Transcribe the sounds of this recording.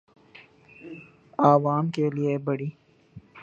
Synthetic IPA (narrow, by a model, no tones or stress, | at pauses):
aːʋaːmkeliebɐɽiː